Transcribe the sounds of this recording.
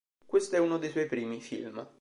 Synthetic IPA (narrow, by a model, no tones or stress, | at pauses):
kwest̪oɛunod̪ejswɔjpɾiːmifḭlm